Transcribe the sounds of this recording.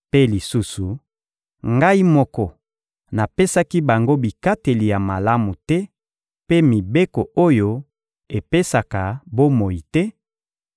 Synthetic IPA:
pe˦li˨su˦su˨ | ŋɡa˦i˦mɔ˦kɔ˨ | na˨pe˦sa˦ki˦ba˨ŋɡo˦bi˨ka˦te˨li˨ja˨ma˨la˦mu˨tɛ˦ | pe˦mi˨be˦ko˨o˦jo˦ | e˨pe˦sa˨ka˨bo˦mo˨i˨tɛ˦

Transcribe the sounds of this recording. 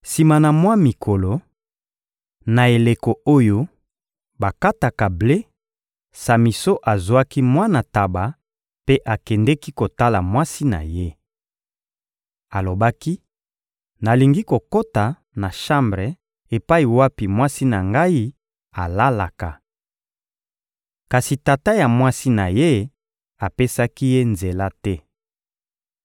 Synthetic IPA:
si˨ma˨na˨mwa˦mi˨kʰo˨lo˨ | na˨e˨le˨ko˨o˦jo˦ | ba˨ka˦ta˨ka˨ble˦ | sa˨mi˨so˦ʔa˨zwa˦ki˦mwa˦na˨ta˨ba˨ | pe˦ʔa˨kɛ˨ndɛ˦ki˦ko˨ta˦la˨mwa˦si˦na̰˨je˦ | a˨lo˨ba˦ki˦ | na˨li˨ŋɡi˦ko˨ko˦ta˨ | na˨ʃã˦mbʁɛ˨ | e˨pa˦i˨wa˦pi˨mwa˦si˦na˨ŋɡa˦i˦ | a˨la˦la˨ka˨ | ka˨si˨ta˨ta˦ja˨mwa˦si˦na˨je˦ | a˨pe˦sa˦ki˦je˦nze˨la˦tɛ˦

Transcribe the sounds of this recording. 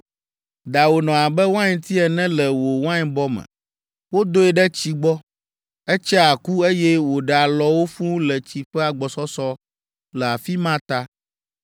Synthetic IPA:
d̪a˨wo˨nɔ̃˨a˨bɛ˦wã˦ɲ˨t̪ʰi˦ɛ˨nɛ̃˦lɛ˨wo˨wã˦ɲ˦bɔ˦mɛ̰̃˨ | wo˦d̪o˦ɛ˨ɖɛ˦t͡ɕi˦ɡ͡bɔ˦ | ɛ˦t͡ʃɛ˦a˨ku˦e˦jɛ˦wo˨ɖɛ˨a˨lɔ˨wo˦fũ˦lɛ˨t͡ɕi˨ɸɛ˦a˨ɡ͡bɔ˨sɔ˦sɔ˦ | lɛ˨a˨fi˦mã˦t̪a˦

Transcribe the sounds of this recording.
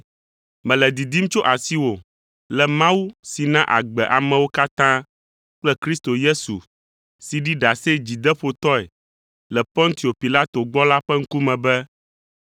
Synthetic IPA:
mɛ̃˨lɛ˨d̪i˨d̪i˦m˦t͡ʃo˦ʔa˨si˦wo˨ | lɛ˨mã˦wu˦si˨nã˦ʔa̰˨ɡ͡bɛ˨ʔa˨mɛ̃˨wo˦ka˦t̪ã˦ | k͡plɛ˦kɾi˦st̪o˨je˦sṵ˨ | si˨ɖi˦ɖa˨se˦d͡ʑi˨d̪ɛ˦ɸo˨t̪ɔ˦ɛ˨ | lɛ˨pɔ̃˦ŋt̪i˨o˨pi˨la˦t̪o˨ɡ͡bɔ˦la˦ɸɛ˦ŋ̩˦ku˦mɛ̃˨bɛ˦

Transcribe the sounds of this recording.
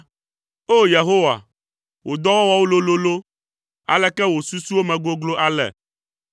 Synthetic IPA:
o˦je˨ɦo˦wa̰˨ | wʔo˨d̪ɔ˦wɔ˦wa˦wo˦lo˦lo˦lo˦ | a̰˨lɛ˦kɛ˦wo˨su˦su˦wo˦mɛ̃˨ɡo˦ɡlo˦ʔa˨lɛ̰˨

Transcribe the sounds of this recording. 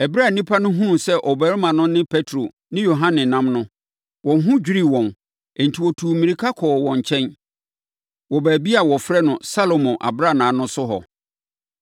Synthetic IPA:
ɛ˨bɾa˦˨nĩ˦pʰa˦nʊ̃˦ɦũ˦sɛ˦ʔɔ˨bæ˨˦ɾmã˨nʊ̃˦nɪ̃˦pʰɛ˦tʰɾo˨ | nɪ̃˦jo˨ɦã˦nɪ̃˨nã˦mnʊ̃˦ | wɔ̃˨n˦ɦʊ̃˦d͡ʑᶣi˦ɾi˦˨wɔ̃˨n | e˨n̩˨tʰi˨wɔ˨tʰu˨mĩ˨ɾi˨kʰa˦kʰɔː˨wɔ̃˨ɲ˨t͡ɕʰɛ̃˦n | wɔ˨bæː˨bi˦a˨wɔ˨fɾɛ˦nʊ̃˨sa˦lo˨mɔ̃˨ʔa̰˨bɾa˦˨nãː˨˦nʊ̃˦sʊ˦ɦɔ̰˨

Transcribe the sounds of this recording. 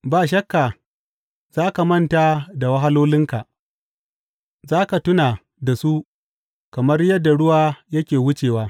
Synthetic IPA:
baː˨ʃ̬ɐ˦kːa˨ | z̥aː˦ka˨mɐ˦nta˨da˨wɐ˦ɦa˦loː˦lɪ˦ŋka˨ | zaː˦ka˨tʊ˦naː˨ | da˨su˦ | kɐ˨mɐ˦rjɐ˦dːa˨ɽʊ˦waː˦jɐ˦kʲeː˨wʊ˦t͡ʃeː˨waː˦

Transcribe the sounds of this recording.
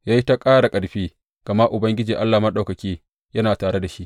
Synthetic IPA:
jaː˦ji˦ta˦kʼaː˦ɽa˨kʼɐ˨ɽɸiː˦ | ɡ̥ɐ˨ma˦ʔʊ˨bɐ˦ŋɡʲɪ˦d͡ʒiː˨ʔa˦lːaː˨ma˦ɗa˨wkɐ˨kʲeː˦ | jɐ˦naː˨taː˨ɽe˦da˨ʃi˦ʔ

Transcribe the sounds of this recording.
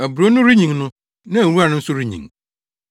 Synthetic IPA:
æ˨bɾo˦nʊ̃˦ɾi˦ɲĩ˨ŋnʊ̃˦ | nã˦˨wu˦a˨nʊ̃˦n̩˦sʊ˦ɾi˦ɲḭ̃˨ŋ

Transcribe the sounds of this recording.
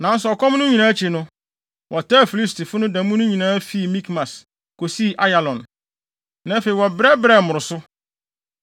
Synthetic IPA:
nã˨˦n˦sʊ˨ɔ˨kʰɔ̃˦mnʊ̃˦ɲĩ˨nãː˨˦t͡ɕʰi˨nʊ̃˦ | wʔɔ˨ta˦˨fi˨li˦sti˨fʊ˦nʊ̃˦dã˨˦mũ˦nʊ̃˦ɲĩ˨nãː˦fi˦˨mĩ˦kmã˨s | ko˨si˦˨ʔa˦ja˨lɔ̃˨n | nã˨˦fe˨i˨wɔ˨bɾɛ˦bɾɛ˦˨mʊ̃˨ɾʊ˨sʊ˦

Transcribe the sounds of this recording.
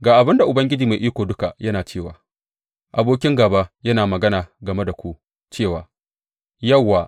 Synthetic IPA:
ɡaː˨ʔa˨bɪ˦nda˨ʔʊ˨bɐ˦ŋɡʲɪ˦d͡ʒiː˨ma˨ʔiː˦kʷoː˨dʊ˦ka˨jɐ˦naː˨t͡ʃeː˦˨wa̰ː˨ | ʔa˨boː˦kʲɪ˦ŋɡaː˨baː˦jɐ˦naː˨mɐ˨ɡɐ˦naː˨ɡɐ˨me˦da˨kʷu˦ʔ | t͡ʃeː˦˨waː˨ | jɐ˦˨wːaː˨

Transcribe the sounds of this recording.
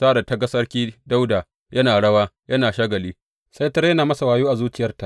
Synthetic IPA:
saː˦˨da˨ta˨ɡɐ˦sɐ˦rkʲiː˦da˦wdaː˨ | jɐ˦naː˨ɽɐ˦waː˦jɐ˦naː˨ʃaː˦ɡɐ˨liː˦ | sa˦jtɐ˦ɾjɐ˦naː˨mɐ˦sa˨waː˨juː˦ʔa˨zuː˦t͡ʃɪ˨jɐ˦rta˨

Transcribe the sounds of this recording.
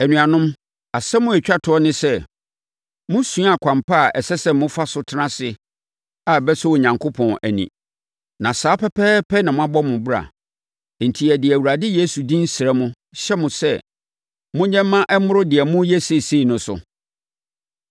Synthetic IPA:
æ˨nũ˨a˨nʊ̃˦m | a˨sɛ˦mʊ̃˦æ˨t͡ɕᶣa˦tʰɔ˦nɪ̃˦sɛ˦ | mʊ̃˦sũ˦a˨kʷʰã˨mpʰa˦˨ɛ˨sɛ˦sɛ˦mʊ̃˦fa˦sʊ˦tʰɪ˦nã˦sɪ˨ | a˨bɛ˦sɛ˦wo˨ɲã˨ŋkʰo˦pʰɔ̃˨næ̰˨nḭ̃˨ | nã˨saː˨˦pʰɛ˦pʰɛː˦pʰɛ˦nã˨mʊ̃˦a˦bɔ˦mʊ̃˨bu˦ɾa̰˨ | n̩˨tʰi˨ɛ˨dɪ˨æ˨wu˨ɾa˨dɪ˦je˦su˨dĩ˦n̩˦sɪ˨ɛ˦mʊ̃˦ | ɕɛ˦mʊ̃˨sɛ˦ | mʊ̃˦ɲɛ̃˦mː˦ã˦ʔɛ˦mʊ̃˦ɾʊ˦dɪ˨ɛ˨mʊ̃˦jɛ˦se˦˨se˦i˨nʊ̃˦sʊ̰˨

